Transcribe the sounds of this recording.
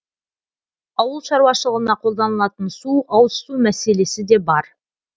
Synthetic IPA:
ɑwəlˠʃɑɾwɑʃəlˠəʁənɑqʰo̞lˠd̪ɑnəlˠɑt̪ənsuʔɑwsə̥t̪umæse̞le̞sɪd̪e̞bɑɾ

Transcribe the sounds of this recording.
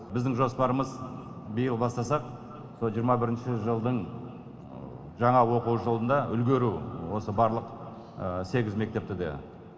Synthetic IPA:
bɪzd̪ɪŋʒo̞spɑɾəməz | bəjəlˠbɑst̪ɑsɑq | solˠʒijːɾmɑbɪɾɪnʃɪʒəlˠd̪əɴ | ʒɑɴɑwo̞quwʒəlˠənd̪ɑʏlɡʲe̞ɾuwo̞səbɑɾlˠəq | se̞ɡʲɪzme̞k̚t̪e̞p̚t̪ɪd̪e̞̰

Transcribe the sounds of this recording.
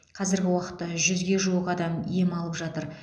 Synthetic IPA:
qʰɑzɪɾɡʲɪwɑqə̥t̪ːɑʒʏzɡʲe̞ʒuəqɑd̪ɑmijemɑlˠəpʒɑt̪əɾ

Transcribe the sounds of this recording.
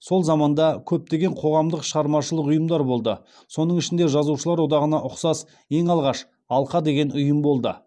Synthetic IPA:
so̞lˠzɑmɑnd̪ɑkʲʰɵp̚t̪e̞ɡʲe̞ɴqʰo̞ʁɑmd̪əqʃəʁɑɾmɑʃəlˠəqʊjəmd̪ɑɾbo̞lˠd̪ə | so̞nəɴɪʃɪnd̪e̞ʒɑzuʃəlˠɑɾwod̪ɑʁənɑʔʊqsɑs | je̞ŋɑlˠʁɑʃ | ɑlˠqɑd̪e̞ɡʲenʊjəmbo̞lˠd̪ə

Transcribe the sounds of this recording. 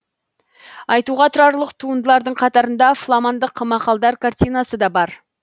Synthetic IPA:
ɑjt̪uʁɑt̪ʰʊɾɑɾlˠəqt̪ʰuənd̪əlˠɑɾd̪əɴqʰɑt̪ɑɾənd̪ɑflˠamand̪əqʰːəmɑqɑlˠd̪ɑɾkʰart̪ijnɑsəd̪ɑbɑɾ

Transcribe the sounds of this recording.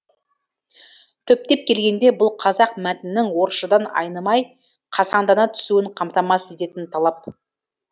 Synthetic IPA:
t̪ʰɵp̚t̪e̞p̚kʲʰe̞lɡʲe̞nd̪e̞bʊlˠqʰɑzɑq̚mæt̪ɪnːɪŋwo̞ɾʃəd̪ɑnɑ̰jnəmɑj | qʰɑsɑnd̪ɑnɑt̪ʰʏ̥suɪɴqʰɑmt̪ɑmɑse̞t̪e̞t̪ɪnt̪ʰɑlˠɑp̚

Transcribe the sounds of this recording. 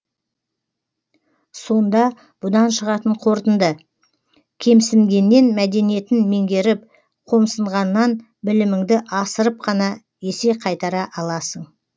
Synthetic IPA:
so̞nd̪ɑ | b̥ʊd̪ɑnʃəʁɑt̪əɴqʰo̞ɾt̪ənd̪ə | kʲʰe̞msɪŋɡʲe̞nːe̞nmæd̪e̞nije̞t̪ɪnmeŋɡʲe̞ɾɪp̚ | qʰo̞msəɴʁɑnːɑn | bɪlɪmɪŋd̪ɪʔɑsəɾəp̚qʰɑnɑ | je̞seqʰɑjt̪ɑɾɑʔɑlˠɑsəɴ

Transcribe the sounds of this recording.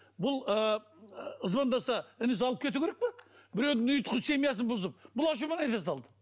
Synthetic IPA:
bʊlˠə | əzbɑnd̪ɑsɑɪnɪs̬ɑlˠəp̚kʲʰe̞t̪ukʰʲeɾek̚pɪbɪɾe̞wd̪ɪŋʊjt̪qʰəzse̞mijasɪnbʊzəp̚bʊlˠɑʃ̬umɑnɑjt̪ɑsɑlˠd̪ə̥

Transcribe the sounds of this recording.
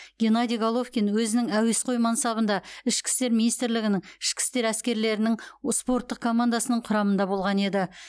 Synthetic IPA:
ɡʲe̞nɑd̪iɡolˠofkʲinwɵzɪnɪŋæwe̞sqʰo̞jmɑnsɑβənd̪ɑɪʃkʲɪ̥st̪e̞ɾminijst̪ɾlɪɡʲɪnɪŋɪʃkʲɪ̥st̪e̞ɾæskʲe̞ɾle̞ɾɪnɪŋspo̞ɾt̪ːəq̚kʰo̞mand̪asənəɴqʰʊɾɑmənd̪ɑbo̞lˠʁɑne̞d̪ɪ

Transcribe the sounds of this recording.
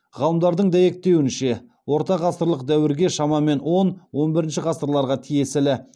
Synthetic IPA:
ʁɑlˠəmd̪ɑɾd̪əɴd̪æje̞k̚t̪e̞wɪnʃe̞ | wo̞ɾt̪ɑʁɑst̪əɾlˠəq̚d̪æwɪɾɡʲe̞ʃɑmɑme̞nwo̞nwo̞nbɪɾɪnʃɪʁɑst̪əɾlˠɑɾʁɑt̪ʰije̞sɪlɪ

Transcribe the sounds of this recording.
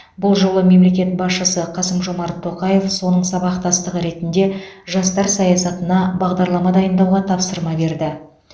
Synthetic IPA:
bʊlˠʒo̞lˠəme̞mle̞kʲe̞t̪̚bɑsʃəsəqʰɑsəmʒo̞mɑɾt̪ʰːo̞qɑje̞fso̞nəɴsɑbɑqt̪ɑst̪əʁəɾe̞t̪ɪnd̪e̞ʒɑst̪ɑɾsɑjɑsɑt̪ənɑbɑʁd̪ɑɾlˠɑmɑd̪ɑjənd̪ɑwʁɑt̪ʰɑpsəɾmɑbe̞ɾd̪ɪ

